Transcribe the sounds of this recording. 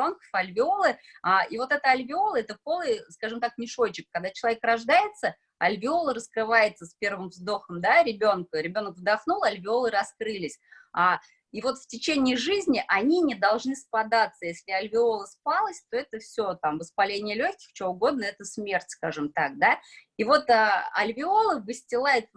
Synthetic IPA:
onkə̥fɐlʲvʲɪo̞lˠɨ | aivo̞t̪ɛt̪əɐlʲvʲɪo̞lˠəɛt̪əpo̞lˠɨjskaʐɨmt̪aknʲɪʂo̞t͡ɕːɪk̚ːɐɡ̚d̪at͡ɕɪlˠɐvʲekɾɐʐd̪ajɪt̪sə | ɐ̰lʲvʲɪo̞lˠəɾəskɾɨvajɪt̪səspʲe̞rvɨmvzd̪o̞xəmd̪aɾʲɪbʲo̞nkəɾʲɪbʲo̞nəkvd̪axnulˠɐlʲvʲɪo̞lˠɨɾɐskɾɨlʲɪsʲa | ivo̞t̪ftʲɪt͡ɕenʲɪəʐɨzʲnʲɪʔɐnʲinʲɪd̪ɐlˠʐnɨspad̪at̪sːəjesʲlʲɪɐlʲvʲɪo̞lˠəspalˠəsʲt̪o̞ɛt̪əfsʲo̞t̪amvəspalʲenʲɪjəlʲoçʲkʲɪ̥xt͡ɕɪoʊɡo̞d̪̚nəɛt̪əsmʲe̞rtʲskaʐɨmt̪ak̚d̪aivo̞t̪əɐ̰lʲvʲɪo̞lˠɨvɨsʲtʲɪlˠajʊt̪

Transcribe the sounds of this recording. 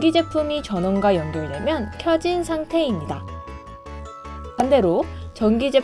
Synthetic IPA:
ɡid͡ʑe̞pʰumit͡ɕʌnʌnɡwajʌŋɡjʌɭdwe̞mjʌnkʰjʌd͡ʑinsʰaŋtʰe̞imɲida | pande̞ɾot͡ɕʌŋɡid͡ʑe̞

